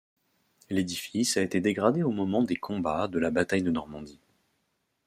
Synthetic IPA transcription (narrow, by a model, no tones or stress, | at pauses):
led̪ifisaet̪ed̪eɡʁad̪eomɔmɑ̃d̪ekʰɔ̃bad̪əlabat̪ajd̪ənɔʁmɑ̃d̪i